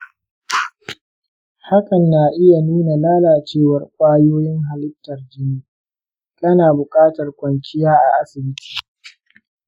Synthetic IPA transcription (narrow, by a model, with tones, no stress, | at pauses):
ha˦kʼɐ˨nːaː˨ʔɪ˦ja˨nuː˦na˨laː˦laː˨t͡ʃeː˦˨wɐ˨rkʷʼaː˦joː˦jɪ˦ŋɦa˨lɪ˦tːɐ˨rd͡ʒɪ˦niː˦ | kʼɐ˦naː˨bʊ˨kʼaː˦tɐ˨rkʷʼɐ˨ŋkʲɪ˦jaː˦ʔa˨ʔa˦sɪ˨bɪ˦ti̥ː˨